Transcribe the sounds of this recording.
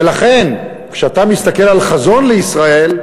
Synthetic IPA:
elaχe̞n | kʃeat̪amist̪ake̞lalχazo̞nleisʁae̞l

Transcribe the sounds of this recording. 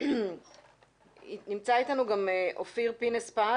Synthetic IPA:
nimt͡sait̪anuɡameʔofiʁpinespa

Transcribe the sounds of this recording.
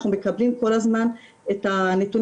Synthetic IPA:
χumekablimko̞lazman | et̪anet̪un

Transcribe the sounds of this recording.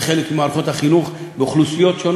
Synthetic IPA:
χelekmimaːɾχo̞thaχinuχbeoχlusijo̞tʃon

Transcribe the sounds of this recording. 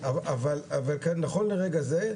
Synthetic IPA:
avavalavalkanːaχo̞nleʁeɡaze

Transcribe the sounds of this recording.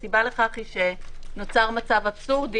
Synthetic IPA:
sibaleχaχiʃeno̞t͡saʁmat͡savabsuʁd

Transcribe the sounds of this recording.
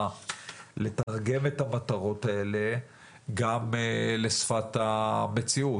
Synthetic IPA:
ale̞t̪aʁɡe̞met̪hamat̪aʁo̞taele̞ | ɡamle̞sfat̪ame̞t͡siu

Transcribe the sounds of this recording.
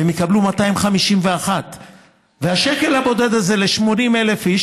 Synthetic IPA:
emjikablumataimχamiʃimveaχat | vehaʃeke̞labo̞de̞d̪aze̞le̞ʃmo̞nimelefiʃ

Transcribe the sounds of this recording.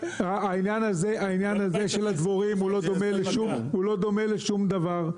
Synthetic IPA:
aːinjanaze̞ʔainjanazeʃe̞lad̪voʁimulo̞d̪o̞me̞leʃum | ulo̞d̪o̞me̞leʃumd̪avaʁ

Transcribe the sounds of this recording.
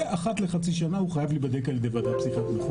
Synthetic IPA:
ʔaχat̪leχat͡siʃanahuχajavlibad̪ekaled̪evad̪apsiχat̪meχ

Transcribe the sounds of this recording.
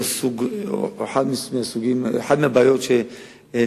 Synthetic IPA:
suɡeħad̪mimeasuɡimeħad̪meabajot̪ʃe

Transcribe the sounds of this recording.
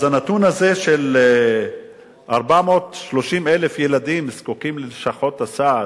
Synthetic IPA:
zanat̪unaze̞ʃel | ʔaʁbamo̞t̪ʃlo̞ʃimele̞fjelad̪imskukimleʃaχo̞t̪asa

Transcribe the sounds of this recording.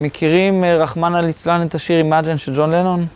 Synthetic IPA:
mekʰiʁimʁaχmanalit͡slanet̪aʃiʁimad͡ʒenʃeld͡ʒo̞nlenon

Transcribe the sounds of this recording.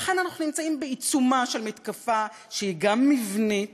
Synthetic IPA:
χe̞nanaχunimt͡saimbeit͡sumaʃelmet̪kafa | ʃeiɡamːivne

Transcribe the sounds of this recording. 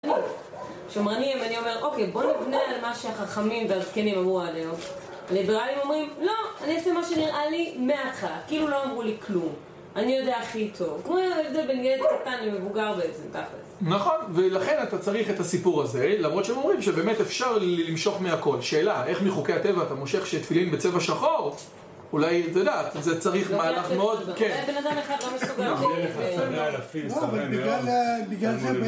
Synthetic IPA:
ani | ʃomʁanimvanio̞me̞ʁʔo̞kejbo̞nivnealmaʃeaχaχamimveazkenimamualeo | alibeʁalimo̞mʁimlo̞aniosemaʃe̞niʁʔalimeaχatkiilulo̞amʁuliklum | anijo̞d̪eaχit̪ʰo̞vkmojaevd̪elbenɡeletkat̪anlimevuɡaʁbeezed̪aχlḛznaχo̞nve̞laχe̞nat̪at͡saʁiχe̞t̪asipuʁaze̞lamʁott͡ʃeemo̞mʁimʃebeme̞tefʃaʁllimʃo̞χmeako̞lʃe̞ːlae̞χmiχokejat̪e̞vaːt̪amo̞ʃe̞χʃet̪filimbe̞t͡se̞vaʃaχo̞ʁ | ulajt̪ojodeaːt̪zet͡saʁiχmaːlaχmeod̪kenbenad̪ameχad̪lomesuɡaeesanalafilovaebilalbiɡlale

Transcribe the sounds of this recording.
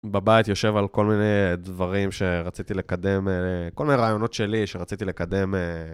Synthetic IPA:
babajit̪jo̞ʃe̞valko̞lmine̞jd̪vaʁimʃe̞ʁat͡sit̪ile̞kad̪e̞mkko̞lmineʁaːjo̞no̞t̪ʃe̞liʃeʁat͡sit̪ile̞kad̪e̞me

